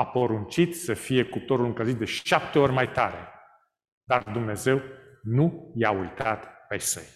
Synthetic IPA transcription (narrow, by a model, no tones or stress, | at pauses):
apo̞ɾunt͡ʃit̪səfije̞kup̚t̪oɾulɨŋkəzit̪̚d̪e̞ʃap̚t̪eo̞rʲmajt̪aɾe̞̰ | d̪ard̪umne̞ze̞w | nujaujt̪at̪pejsə̰j